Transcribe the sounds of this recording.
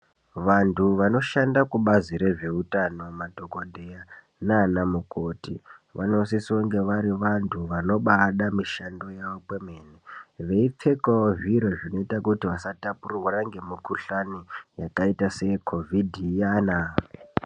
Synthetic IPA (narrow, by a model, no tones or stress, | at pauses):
ʋantʰuʋano̞ʃandakuɓaziɾe̞ʐe̞utano̞matokodʱeja | naːnamuko̞tiʋa̰no̞sisoŋɡe̞ʋaɾiʋantʰuʋano̞ɓaɗamiʃando̞jaʋopwemeːneʋe̞ip͡fe̞kaoʐiɾo̞ʐino̞itakutiʋasatapurowaraŋɡe̞mukuɬanijakaitase̞kʰo̞vʱidʱijaːna